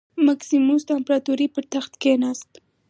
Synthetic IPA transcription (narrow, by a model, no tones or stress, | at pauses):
maksimust̪aɪmpɾat̪uɾipəɾt̪axt̪kenast̪